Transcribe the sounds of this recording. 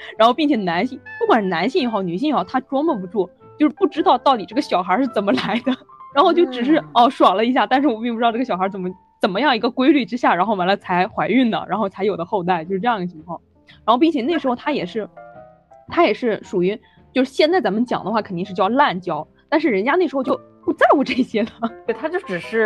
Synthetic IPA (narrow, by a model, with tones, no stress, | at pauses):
ɻa˧˥nxo˥˧pi˥˩t͡ɕʰjɛ˨˩na˧˥nɕi˥˩ŋpu˥˩kwa˨˩nʂɻ̩˥˩na˧˥nɕi˥˩ŋi˨˩xo˥˩ʊny˨˩ɕi˥˩˨xo˥˩ʊt̪ʰa˥ʈ͡ʂwɔ˥ŋmə˨˩pu˧˥t͡swɔ˥˩ | t͡ɕjo˥˧ʊʂɻ̩˥˧pu˥˩ʈ͡ʂɻ̩˥t̪ɑ˥˧ʊt̪ɑ˥˩ʊt̪i˨˩ʈ͡ʂɤ˥˩ɡə˩ɕjɑ˨˩ʊxə˞˧˥ʂɻ̩˥˩t͡sə˨˩nmə˦la˧˥ɪd̪ə˧ɻa˧˥nxo˥˧t͡ɕjo˥˩ʊʈ͡ʂɻ̩˨˩ʂ̬ɻ̩˥˩˥ʂwɑ˨˩lə˦i˧˥ɕja˥˧t̪a˥˧nʂ̬ɻ̩˥˩wɔ˨˩pi˥˧ŋu˥˧˥ə˩ɕɑ˨˩xə˧˥t͡sə˨˩mə˦ | t͡sə˨˩nmə˦jɑ˥˩ŋi˧˥ɡə˧kwe˥ɪly˥˩ʈ͡ʂɻ̩˥ɕja˥˩ɻa˧˥nxo˥˩ʊwa˧˥lə˧˩t͡sʰa˧˥ɪxwa˧˥ɪy˥˩nd̪ə̰˩ɻa̰˧˥nxo˥˩ʊt͡sʰjo˨˩d̪ə˦xo˥˧ʊt̪̬a˥˩ɪt͡ɕjo˥˧ʊʂ̩˥˧ʈ͡ʂɤ˧jɑ˥˩ŋɡ̪ə˩t͡ɕʰi˧˥ŋkʰwɑ˥˩ŋ | ɻa˧˥xʊpi˥˩ŋ˩t͡ɕʰjɛ˨˩n˥˩ɪʂɻxo˥˧ʊt̪ʰa˥jɛ˨˩ʂɻ̩˥˩ | t̪ʰa˥jɛ˨˩ʂɻ̩˥˩ʂu˨˩y˧˥ | t͡ɕjʂɻ̩˥˩ɕjɛ˥˧nt͡sa˥˩ɪt͡sa˧˥nmə˧t͡ɕjɑ̰˨˩ŋd̪ə˦xwa˥˩kʰə˨nt̪i˥˧ʂɻ̩˥˧t͡ɕjʊla˥˩nt͡ɕjɑ˥ʊ | t̪a˥˧nʂɻ̩˥˩ɻə˧˥nt͡ɕja˥e˥˩ʂɻ̩˧˥xʊt͡ɕo˥˩ʊpu˥˧t͡sa˥˩ɪu˧˥˩ʈ͡ʂɤ˥˩i˧˩ɕjɛ˥d̪ə˩t̪we˥˩ɪt̪ʰa˥t͡ɕjo˥˩ʈ͡ʂɻ̩˨˩ʂɻ̩˥˩